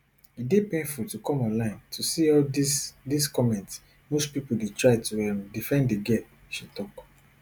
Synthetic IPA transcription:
idepẽnfultukɔ̃mɔ̃nlãɪ̃ntʰusiɔlisdiskɔmɛ̃nt | mospipodetɹaɪtuɛ̃mdifɛ̃ndeɡɛp | ʃitɔk

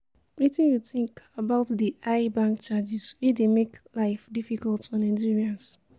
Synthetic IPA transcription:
wetĩnjutĩŋkabaʊtdiʔaɪbãŋk̚t͡ʃad͡ʒiswidemeklaɪfdifikɔltfɔ̃nãnd͡ʒiɹiãns

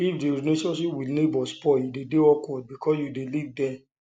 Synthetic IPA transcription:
ifdeɾneʃɔ̃nʃipwinebɔspɔjudedeɔkwɔd̚bikʰɔsjudelivdɛ

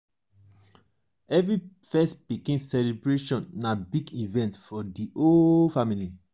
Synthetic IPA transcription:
ɛvɹifɛstpikĩnsɛlibɹeʃɔ̃nːabiɡivɛ̃ntfɔdiʔofamili

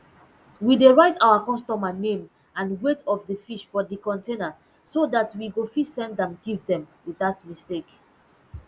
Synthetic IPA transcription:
wideɹaɪtawakɔstɔmanẽm | ãnwetʰɔfdəfiʃfɔdəkɔ̃ntena | sodatwiɡofisɛ̃ndɛ̃mɡivdɛ̃mwiðatmistek

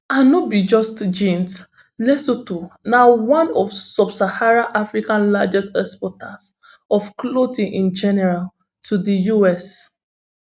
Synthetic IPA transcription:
ãnɔt̚bid͡ʒɔstd͡ʒĩnt | lɛsotunawãnɔfsɔbsahaɹaʔafɹikãnlad͡ʒɛstɛspɔtʰas | ɔfklotĩŋʔĩnd͡ʒɛnɛɹal | tʰudəjuɛs

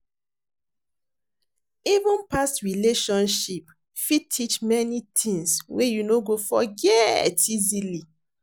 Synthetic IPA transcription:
ivũnpastɹileʃɔ̃nʃip | fitʰit͡ʃmɛnitʰĩŋswejunoɡofɔɡɛtizili

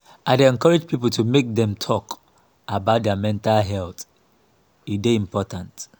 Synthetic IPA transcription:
aɪdeɛ̃nkɔɹɛd͡ʒpipəl̩tʰumek̚dɛ̃mtʰɔk | abaʊt̚dɛamɛ̃ntalɦɛlt | ideĩmpɔtãnt

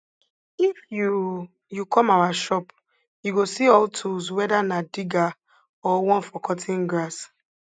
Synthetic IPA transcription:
ifju | jukʰɔ̃mawaʃɔp | juɡosiɔltʰuzwɛdanadiɡa | ɔwɔ̃nfɔkʰɔtʰĩnɡɹas

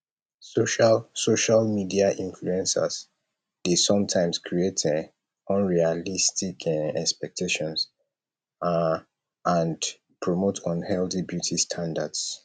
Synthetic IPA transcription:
soʃalsoʃalmidiaʔĩnfluɛ̃nsə̰s | d̥esɔ̃mtʰãɪ̃mskʰɹietʰ | ɔ̃nɹialistʰikʰɛkspɛk̚tʰeʃɔ̃ns | ãn | pʰɹɔmotʰɔ̃nhɛlθibjutʰistʰãndads

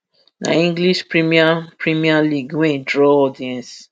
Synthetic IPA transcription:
na̰ĩŋɡliʃpɹimiapɹimialiɡwɛ̃idɹɔɔdiɛ̃ns

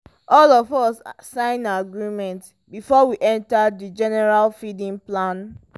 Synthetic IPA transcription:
ʔɔlɔvɔsasãɪ̃naɡɹĩmɛ̃nt | bifɔwiʔɛ̃ntadid͡ʒɛnɛɹalfidĩnplãn

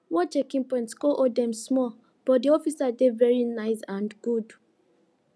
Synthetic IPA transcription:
wɔt͡ʃɛkĩŋpɔ̃ɪ̃ntskoʔodɛ̃msmɔl | b̥ɔt̚diɔfisadevɛɹinaɪsãnɡ̥ud

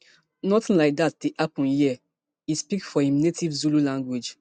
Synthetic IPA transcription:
nɔtĩnlaɪk̚dat̚d̥eʔapɔ̃njiə | ispikfɔhĩmnetivzululãŋɡwed͡ʒ

